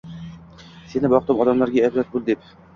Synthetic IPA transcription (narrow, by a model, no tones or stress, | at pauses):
senɪbɒq̚t̪ɤmɒd̪amlaɾɡʲaːbɾat̪̚bolˠd̪ep